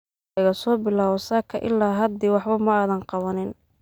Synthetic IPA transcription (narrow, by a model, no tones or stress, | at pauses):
ɪɣɐsɔːbɪlaːwɔsɐkʰɐʔɪ̰lːaːɦɐd̪iwɑħbɐmɐaːðɐnqɑβɐnɪn